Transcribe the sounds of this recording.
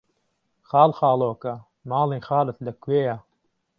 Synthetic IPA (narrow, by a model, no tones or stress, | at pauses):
xɑːlxɑːloːkɐ | mɑːliːxɑːlɨt̪lɐkʰweːja